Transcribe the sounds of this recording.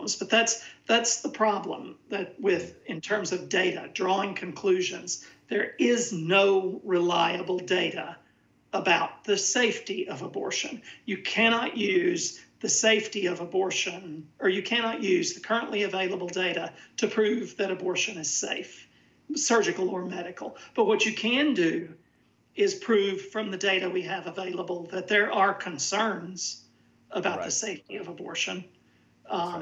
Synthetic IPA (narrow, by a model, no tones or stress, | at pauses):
zb̥ʌt̪̚ðætsðætsðəpʰɹ̥ɑblə̰̃mðɨt̚wɪðɨ̃ntʰɜ̃˞mzʌvdeɪɾɨ̰dɹɔɪ̃ŋkʰɨ̃nkʰl̥ʉʒɨ̃nzðə˞ɪznoʊɹɪlaɪɨbl̩ˠdeɪɾɨ | əbaʊt̪̚ðɨseɪftiʔʌvəbɔ̰ɹʃɨ̰̃njɨkʰæñɑʔjʉzðɨseɪftiʌvəbɔɹʃɨ̃nə˞jɨkʰænɑʔjʉzðɨkʰɜ˞ə̃nʔliɨveɪlˠəbl̩ˠdeɪɾɨɾɨpʰɹ̥ʉvðɨɾɨbɔɹʃɨ̃nɨz̥sḛɪf | sɜ˞d͡ʒɨkl̩ˠə˞mɛɾɨkl̩ˠb̥ʌt̚wʌt͡ʃɨkʰɨ̃ndɨ | ɪz̥pʰɹ̥ʉv̥fɹʌ̃mðɨdeɪɾɨwiɨvəveɪlˠəbl̩ˠðɨt̪̚ðə˞ʔə˞kʰɨ̃nsɜ̃˞nz̥ | əbaʊðɨseɪftiʌvəbɔ̰ɹʃɨ̃n